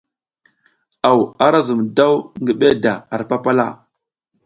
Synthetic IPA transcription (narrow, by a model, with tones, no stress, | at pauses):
a˨wa˨ɾa˦zu˨mda˦wŋɡə˨ɓe˦da˨a˨ɾpa˦pa˦la̰˦˨